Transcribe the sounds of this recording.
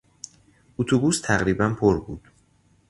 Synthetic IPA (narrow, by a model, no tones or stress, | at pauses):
ʔut̪ʰubust̪ʰæɣɾiːbænpʰoɾbuːd̪̥